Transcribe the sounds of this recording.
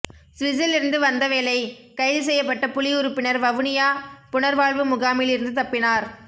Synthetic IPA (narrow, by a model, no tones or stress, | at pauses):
sʋɪsɪlɪɾɯnd̪ɯʋɐnd̪ɐʋeːlɐɪkɐɪðɯs̬ɛjːɐpːɐʈːɐpʊlɪʊɾɯpːɪnɐɾʋɐʋɯɳɪjaːpʊɳɐɾʋaːɭʋɯmʊɣaːmɪlɪɾɯnd̪ɯt̪ɐpːɪnaːɾ